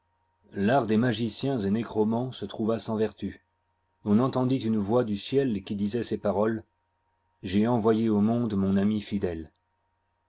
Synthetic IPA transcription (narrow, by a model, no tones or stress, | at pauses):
laʁd̪emaʒisjɛ̃zenekχɔmɑ̃sət̪χuvasɑ̃vɛʁt̪y | ɔ̃nɑ̃t̪ɑ̃d̪it̪ynvwad̪ysjɛlkʲid̪izɛsepaʁɔl | ʒeɑ̃vwajeomɔ̃d̪mɔ̃namifid̪ɛl